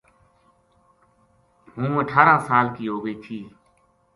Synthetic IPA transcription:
ɦũːəʈʰaːɾãːsaːlkiːɦoːɡəiːt͡ʃ̪ʰiː

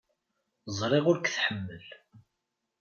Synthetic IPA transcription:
zˤɾˤeʁʊɾkθħəmːəl

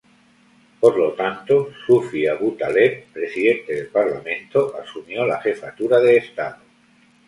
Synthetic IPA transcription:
po̞ɾlo̞t̪ant̪osufiaβut̪ale̞t̪pɾe̞siðe̞nt̪e̞ðe̞lpaɾlamẽ̞nt̪oʔasumjo̞laχe̞fat̪uɾaðeːst̪aðo

